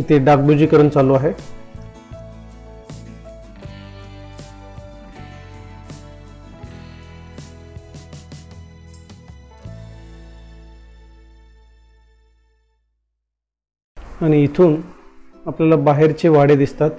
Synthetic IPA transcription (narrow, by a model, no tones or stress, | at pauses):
it̪ʰeɖak̚bud͡ʑiːkəɾəɳt͡salːoaɦe | aɽ̃iːt̪ʰuːnapljalabaɦeɾt͡ɕeʋaɽed̪ist̪at̪